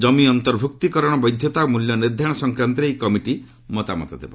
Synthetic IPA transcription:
d͡ʒɔmiɔnt̪ɔɾbʱuk̚t̪ikɔɾɔɽ̃ɔbɔjd̪ʱjɔt̪amuljɔniɾd̪ʱaɽ̃ɔsɔŋkɾant̪ɾejkɔmiʈi | mɔt̪amɔ̰t̪ɔd̪ebɔ̰

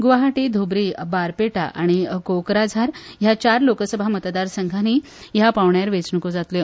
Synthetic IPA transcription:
ɡʋaɦaʈiːd̪ʱobɾiːbaɾpeʈa̰ʔaɽ̃ikokɾad͡zʱaɾjat͡ɕaɾlokəsəbʱamət̪d̪aɾsəŋɡʱani | japaʋɳjaɾʋet͡sɳəkod͡zat̪le

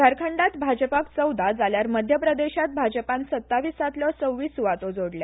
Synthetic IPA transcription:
ɡ̪ʱəɾkʰəɳɖat̪bʱad͡ʑəpakt͡səwd̪ʱad͡zaljaɾməd̪ʱjəpɾəd̪eɕat̪̚bʱad͡ʑəpansət̪ːaʋiːsat̪ljɔt͡səwːiːsuʋat̪od͡zoɽlja

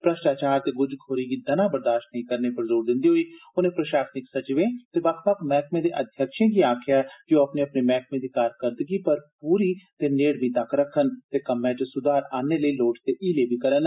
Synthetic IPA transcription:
pɾəʃʈaːt͡ʃaːɾt̪eːɡʊd͡ʒkʰoːɾiːɡiːd̪ənãːbəɾd̪aːʃʈnəɦĩːkəɾneːpəɾzoːɾd̪ɪ̃nd̪iːɦoːiːʊnẽːpɾəʃaːsnɪksət͡ʃʋẽːt̪eːʋəkʰʋəkmɛːkmẽːd̪eːʔəd̪ʱjəkʃẽːɡiːaːkʰɪjaːd͡ʒoːəpneːəpneːmɛːk̚ʰmẽːd̪iːkaːɾkəɾd̪ɡiːpəɾpuːɾiːt̪eːneːɽmĩːt̪akʰɾəkʰːənt̪eːkəmːɛ̃ːt͡ʃsʊd̪aːɾaːneːləiːloːʈt̪eːʔiːleːbiːkəɾən

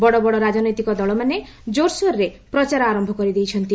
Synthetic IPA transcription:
bɔɽɔbɔɽɔɾad͡ʒɔnɔjt̪ikɔd̪ɔɭɔmane | d͡ʒoɾsɔɾːepɾɔt͡ʃaɾɔaɾɔmbʱɔkɔɾid̪ejt͡ʃʰɔnt̪i

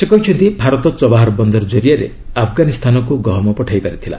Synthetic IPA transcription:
sekɔɦit͡ʃʰɔnt̪ibʱaɾɔt̪ɔt͡ʃɔbaɦaɾbɔnd̪ɔɾɔd͡ʒɔɾiaɾḛ | apʰɡanist̪ʰanɔkuɡɔɦɔmɔpɔʈʰajpaɾit̪ʰila̰

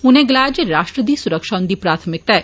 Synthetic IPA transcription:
ʊnẽːɡɐlaːd͡ʒɾaːʃʈɾəd̪iːsʊɾəkʃaːʊ̃nd̪iːpɾaːt̪ʰəmɪk̚t̪ɛ

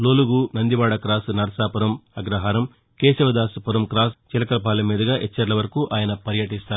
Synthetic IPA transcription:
loːluɡunɐnd̪iʋaːɽɐkɾaːsnɐɾɐsaːpɐɾɐmɐɡɾɐɦaːɾɐm | keːʃɐʋɐd̪aːspɐɾɐmkɾaːst͡ʃilɐkɐlɐpaːlɐmiːd̪ɐɡaːʔɛt͡ʃːɐɾlɐʋɐɾɐkuʔaːjɐnɐpɐɾjɐʈist̪aːɾu

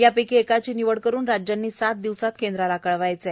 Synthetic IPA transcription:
japekiekat͡ɕiːniʋəɽkəɾuːnɾad͡ʑjanːiːsat̪̚d̪iʋsat̪kend̪ɾalakəɭʋajt͡se

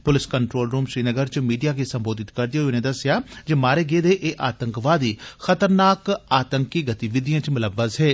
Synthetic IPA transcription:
pʊlɪskəɳʈɾoːlɾuːmʃɾiːnəɡəɾt͡ʃəmiːɖijaːkeːsəmboːd̪ɪt̪kəɾd̪ijʊnẽːd̪əsɪjaːd͡ʒemaːɾeːɡeːd̪eːʔeːʔaːt̪əŋkʋaːd̪iːxət̪əɾnaːkaːt̪əŋkiːɡət̪iʋɪd̪ɪjãːt͡ʃmʊləʋːəzɦeː

